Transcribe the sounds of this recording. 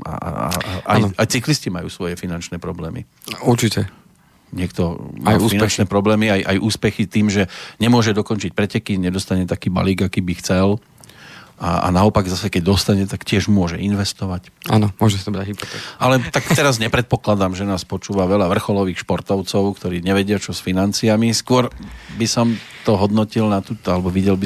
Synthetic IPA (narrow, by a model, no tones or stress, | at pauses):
a̰a̰a̰ajajt͡sikliscimajṵːsʋɔjɛfinant͡ʃnɛpɾɔblɛːmḭ | uɾt͡ʃicɛ | ɲɪɛkt̪ɔmajuusfinnt͡ʃnɛpɾɔblɛːmiajʔajʔuːspɛxit̪iːmʒɛɲɛmʊɔʒɛd̪ɔkɔnt͡ʃic̚pɾɛcɛkiɲɛd̪ɔst̪aɲɛt̪akiːba̰liːɡakiːbixt͡sɛl | a̰a̰naɔpaɡzasɛkɛɟ̚d̪ɔst̪aɲɛt̪akcɪɛʒmʊɔʒɛinʋɛst̪ɔʋaca̰nɔmʊɔʒɛsḁt̪ɔbɾaalɛt̪akt̪ɛɾazɲɛpɾɛt̪̚pɔklad̪amʒɛnaːspɔt͡ʃuːʋaʋɛlaʋr̩xɔlɔʋiːxʃpɔɾt̪ɔʊt͡sɔʊkt̪ɔɾiːɲɛʋɛɟɪat͡ʃɔsfinant͡siamiskʊɔɾbisɔm | t̪ɔɦɔd̪nɔcilnat̪uːt̪alɛbɔʋiɟɛlbi